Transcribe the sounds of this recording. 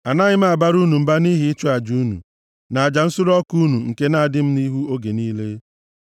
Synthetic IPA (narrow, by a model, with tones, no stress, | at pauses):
a˨na˦ɲɪ˦m̩˦a˨ba˦ɾu˦nu˨m̩˨ba˦ni˦ɦi˨˦i˦t͡ʃu˦a˨d͡ʒu˦nṵ˨ | na˨a˨d͡ʒa˨n̩˦sʊ˦ɾɔ˦ku˦nu˨ŋ̩˨ke˦na˨a˨dɪ˦m̩˦ni˦ɦu˦o˦ɡe˨niː˦le˦